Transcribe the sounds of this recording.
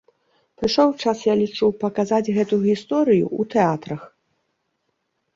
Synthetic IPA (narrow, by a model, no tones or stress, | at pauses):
pɾɨʂɔwt͡ʂasjalʲit͡ʂupɐkazad͡zʲɣɛt̪uɣʲist̪ɔɾɨjṵut̪ɛat̪ɾɐx